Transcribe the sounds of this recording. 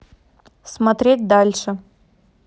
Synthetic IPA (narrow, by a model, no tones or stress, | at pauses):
smɐt̪ɾʲet̚ʲd̪alʲʂɨ